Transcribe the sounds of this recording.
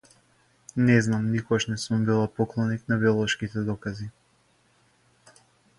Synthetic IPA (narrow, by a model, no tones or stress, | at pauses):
nɛznamnikɔɡaʃnɛsumbilˠapɔklˠɔniknabiɔlˠɔʃkit̪ɛd̪ɔkazi